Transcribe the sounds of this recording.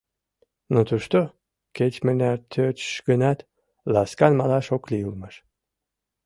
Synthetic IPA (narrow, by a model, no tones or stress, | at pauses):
not̪uʃt̪o | ket͡ɕmənæɾt̪ʰøt͡ɕʃɡənɑt̪ | lɑskɑnmɑlɑʃokliulməʃ